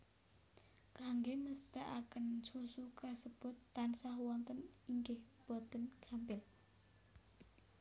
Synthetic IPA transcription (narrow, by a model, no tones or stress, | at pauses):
kaŋɡeməst̪əʔakənt͡ʃusukəsəb̥ʊ̤t̪ːansaɦwɔnt̪əniŋɡɪhb̥ɔt̪ənkampɪl